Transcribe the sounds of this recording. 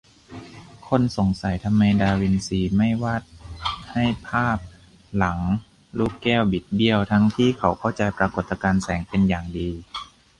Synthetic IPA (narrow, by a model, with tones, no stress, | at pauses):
kʰo˧˥˨nso˨˦ŋsa˨˦jt̪ʰa˧mːa˧jdaː˧wi˧nsiː˧ma˥˩jwaː˥˩t̪̚ha˥˩jpʰaː˥˩p̚ | la˩˦ŋ | luː˥˩kːɛː˥˩wbi˨˩t̪̚bi˧əwt̪ʰa˦˥ŋt̪ʰiː˥˩kʰa˨˦wkʰa˥˩wt͡ɕa˧jpɾaː˧ko˨˩t̪ːa˧kaː˧nsɛː˩˦ŋpe˧njaː˨˩ŋdiː˧